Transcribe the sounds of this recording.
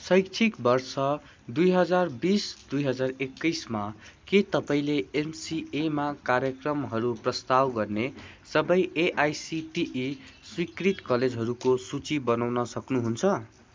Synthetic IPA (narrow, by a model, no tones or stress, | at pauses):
sʌjkt͡sʰikbʌrsʌ | d̪ujɦʌd͡zarbisd̪ujɦʌd͡zarekːʌjsmaket̪ʌpaĩleːmsiemakarjʌkrʌmɦʌɾuprʌst̪awɡʌrne | sʌbʌjeʔajsiʈiʔiswikrit̪kʌled͡zɦʌɾukosut͡sibʌnawnʌsʌknuɦunt͡sʰʌ